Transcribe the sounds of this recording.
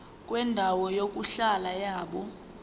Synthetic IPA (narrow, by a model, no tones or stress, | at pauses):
kʼwɛndʱawɔjok̬ʼuɬalajaːɓɔ